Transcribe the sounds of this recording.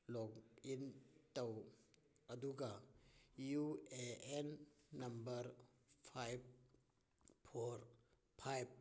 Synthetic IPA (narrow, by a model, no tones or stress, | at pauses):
lɔkintɐw | ɐd̪uɡa | jueenːɐmbəɾpʰajb̚ | pʰoɾ | pʰajb̚